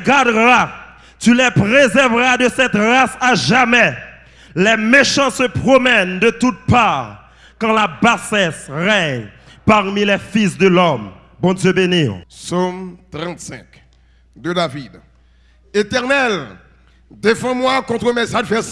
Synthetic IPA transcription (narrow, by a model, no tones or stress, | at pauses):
ɡaʁd̪ʁa | t̪ylɛpʁezɛʁvʁad̪əsɛt̪ʁasaʒamɛ | lɛmeʃɑ̃səpχɔmɛnd̪ət̪ut̪̚paʁ | kɑ̃labasɛsʁɛɲpaʁmilɛfisd̪əlɔm | bɔ̃d̪jøbeniʁsomt̪ʁɑ̃t̪sɛ̃k | d̪əd̪avid̪ | et̪ɛʁnɛl | d̪efɑ̃mwakɔ̃t̪χəmɛsad̪vɛs